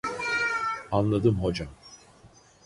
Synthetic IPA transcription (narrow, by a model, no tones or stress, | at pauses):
anlˠad̪ɯmɦo̞d͡ʒam